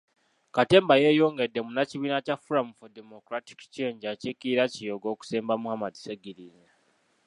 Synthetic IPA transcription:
kate̞ːmbaje̞jo̞ŋɡedemunaciβiːnacafuɾamufodemokɾati̥kt͡ʃe̞ːɲɟacekiɾacijoɡo̞ːku̥seːmbamuhamadi̥seɡilize

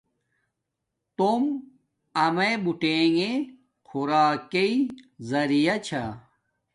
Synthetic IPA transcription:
t̪om | ɐmebuʈeːŋe | xʰuɾaːkeizɐɾijɐt͡ɕʰa

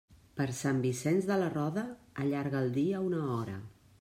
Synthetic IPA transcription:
pəɾsambisɛnzðələrɔðəːʎaɾɣəːlˠd̪iəunəɔɾə̰

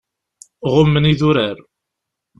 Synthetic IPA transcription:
ʁʊmːəniðuɾæɾ

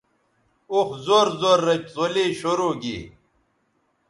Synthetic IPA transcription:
oxzoːɾzoːɾːɐt͡ɕzoleːɕoɾoːɡḭ

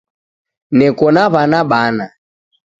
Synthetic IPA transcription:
nɛkɔnaβanaɓana

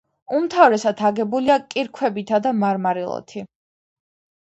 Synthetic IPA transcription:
umt̪ʰavɾɛsat̪ʰaɡɛbuliakʼiɾkʰwɛbit̪ʰad̪amaɾmaɾilˠɔ̰t̪ʰi

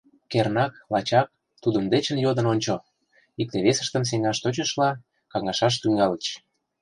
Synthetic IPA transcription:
kernɑklɑt͡ɕɑk̚ | t̪ud̪ə̆md̪et͡ɕə̆njod̪ə̆nonʲt͡ɕo | ik̚t̪eβesə̥̆ʃt̪ə̆ms̬eŋɑʃt̪ot͡ɕə̆ʃlɑ | kɑŋɑʃɑʃ̬t̪yŋɡɑlət͡ɕ

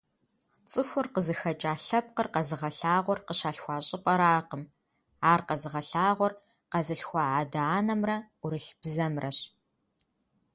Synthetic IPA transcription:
t͡sʼɨxʷʊrqəzɨxɐt͡ʃʼaːɬɐp̚qərqɐzɨʁɐɬaːʁʷɔrqəɕaːɬxʷɑːɕʼɪpʼɐɾaːqəm | aːrqɐzɨʁɐɬaːʁʷɔr | qɐzɨɬxʷɑaːdaaːnɐmrɐ | ʊɾɨɬb̥zɐmrɐɕ

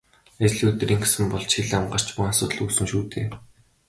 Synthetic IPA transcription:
at͡ɕɮiɵt̪riːŋɡesɘ̆mpɔɮt͡ɕxiɮamɢə̆r̥t͡ɕpʊasʊːt̪̆ɮuːsɘ̆ŋʃuːt̪eː

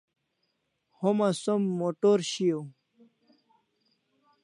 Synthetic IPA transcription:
homasomːoʈoɾɕijo

